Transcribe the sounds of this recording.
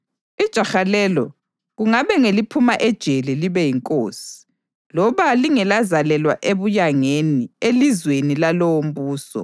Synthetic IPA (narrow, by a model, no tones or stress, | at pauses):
id̥ʒ̥ʱaxalɛlɔ̰ | ɣuŋaβɛŋelipʰumaʔɛd̥ʒ̥ʱelɛliβɛjiŋkʼoːsi̥ | lɔβaliŋɛlazalɛlwa̰ʔeβujaŋenielizwenilalowom̩buːsɔ̰